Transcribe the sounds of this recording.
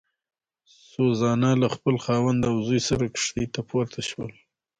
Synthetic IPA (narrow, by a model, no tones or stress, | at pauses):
sozɑnalaxpəlxɑwand̪awzujsaɾakʂt̪it̪apʰoɾt̪ʰaʃwəl